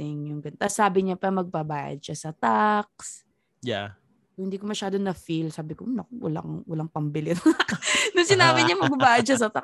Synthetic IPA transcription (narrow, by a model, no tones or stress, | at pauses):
ɪŋjʊŋɡɐnt̪asaːbɪɲɐpɐɐmɐɡ̚bɐbaːjɐ̰d̪̚ʃɐsɐt̪ak̚s | ja | hɪnd̪iːkomɐʃaːd̪onɐfilsaːbɪkoʔnɐkowɐ̰la̰ŋwɐlaŋpɐmbɪlɪt̪ʊnɐknʊŋsɪnaːbɪɲɐmɐɡ̚bɐbaːjɐd̪ʃɐs̬ɐt̪ak